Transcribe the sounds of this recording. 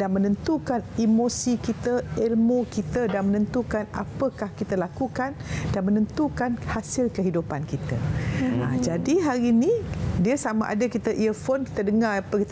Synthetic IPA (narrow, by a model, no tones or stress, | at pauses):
danmənə̃nt̪ukanimosikit̪əelmokit̪ədanmənə̃nt̪ukana̰pəkahkit̪əlakukandanmənənt̪ukanhasɪlkəɦidupankit̪əa̰d͡ʒadiɦaɾinĩdiəsama̰ʔa̰dəkit̪əʔiəfonki̥t̪ədəŋaapəkit̪